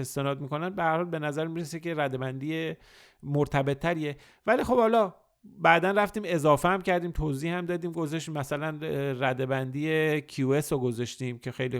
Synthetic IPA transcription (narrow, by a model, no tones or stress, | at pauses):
est̪e̞nɒːd̪̚miko̞næn̚behæɾhɒːlbe̞næzæɾmiɾesece̞ɾæd̪e̞bænd̪iːje | moɾt̪ʰæbe̞t̪ʰːæɾije | vælixo̞bhɒːlɒː | bæd̪ænræft̪iːme̞zɒːfehæmcʰæɾd̪iːmt̪ʰoziːhhæmd̪ɒːd̪iːmɡozɒʃmæsælænræd̪e̞bænd̪ijecʰiuesoɡozɒʃt̪iːmcʰe̞xejli